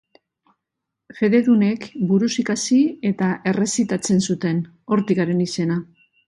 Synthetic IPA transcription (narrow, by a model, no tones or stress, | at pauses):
ʝe̞ðe̞ðune̞kbuɾusikasie̞t̪aʔe̞re̞sit̪at͡se̞nsut̪e̞n | o̞ɾt̪ikaɾe̞nise̞na